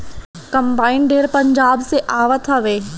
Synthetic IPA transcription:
kɐ̃mbaːɪnɖeːɾpɐ̃ɲd͡ʑaːbseʔaːʋət̪ʰaʋeː

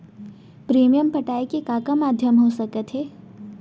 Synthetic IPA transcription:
pɾiːmijəmpɐʈaːikekaːkamaːd̪ʱjəmɦosɐkət̪ɦɛː

